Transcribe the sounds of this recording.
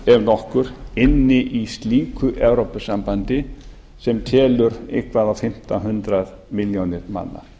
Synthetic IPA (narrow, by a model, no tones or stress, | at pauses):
ɛvnɔhkʏɾɪnːɪʔist̪liːkʏʔɛvɾowpʏsampant̪ɪ | sɛmt̪ʰɛːlʏɾehkvaðawfɪm̥t̪aɦʏnt̪ɾað | mɪljonɪɾma̰nːa̰